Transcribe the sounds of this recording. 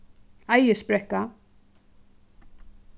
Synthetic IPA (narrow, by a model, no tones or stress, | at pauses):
ajəspɾɛkːa